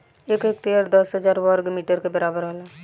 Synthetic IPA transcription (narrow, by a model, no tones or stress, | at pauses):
eːkeːkt̪eəɾd̪əsɦəd͡ʒaːɾwəɾɡmiːʈəɾkebəɾaːbəɾɦola